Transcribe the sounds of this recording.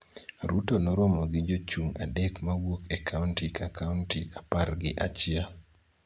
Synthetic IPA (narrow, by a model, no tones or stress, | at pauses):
ɾutonɔɾɔmɔɡɪd͡ʒot͡ʃuŋa̰dɛkmaɡwokɛkʰauntikakauntiʔaparɡɪʔat͡ʃɪa